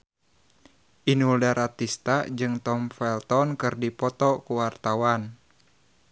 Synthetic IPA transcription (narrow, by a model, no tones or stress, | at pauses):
ʔinuldaɾat̪ist̪ad͡ʒɨŋt̪ɔmfɛlt̪ɔnkɨrdipɔt̪ɔkuwart̪awan